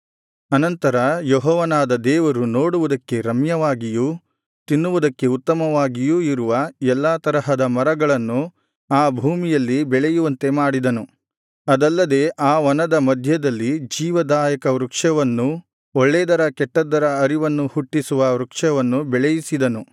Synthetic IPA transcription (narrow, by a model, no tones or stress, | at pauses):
ɐnɐnt̪ɐɾɐjoɦɔːʋɐnaːd̪ɐd̪ɛːʋɐɾunoːɽuʋud̪ɐkːe̞ɾɐmjɐʋaːɡijuː | t̪inːuʋud̪ɐkːe̞ut̪ːɐmɐʋaːɡijuːiɾuʋɐɛlːaːt̪ɐɾɐɦɐd̪ɐmɐɾɐɡɐɭɐnːu | aːbʱuːmijɐlːibɛɭejuʋɐnt̪e̞maːɽid̪ɐnu | ɐd̪ɐlːɐd̪e̞ːʔaːʋɐnɐd̪ɐmɐd̪ʱjɐd̪ɐlːid͡ʒiːʋɐd̪aːjɐkɐʋɾukʂɐʋɐnːu | oɭːɛːd̪ɐɾɐkɛʈːɐd̪ːɐɾɐːɾiʋɐnːuhuʈːisuʋɐʋɾukʂɐʋɐnːubɛɭejisid̪ɐnu